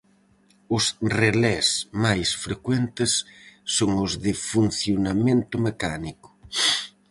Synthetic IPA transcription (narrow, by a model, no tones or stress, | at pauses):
ʊsrelɛsmajsfɾekwent̪ɪsːoŋʊzðɪfun̟θjonamẽnt̪ʊmekanikʊ̥